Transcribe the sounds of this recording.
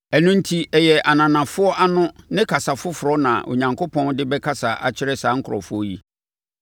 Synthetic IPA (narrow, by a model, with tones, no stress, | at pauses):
ɛ˨nʊ̃˦n̩˦tʰi˦ɛ˨jɛ˨ʔa˨nã˨nã˨fʊ˦ɔ˦ʔa˦nʊ̃˦nɪ̃˦kʰa˨sa˨fʊ˦fʊ˨ɾɔ˦nã˨ʔo̰˨ɲã˨ŋkʰo˦pʰɔ̃˦n˦dɪ˦bɛ˦kʰa˦sa˨ʔa̰˨t͡ɕʰɪ˦ɾɛ˦saː˨˦ŋ̩˦kʰʊ˨ɾɔ̰˨fʊ˦ɔ˦ji˦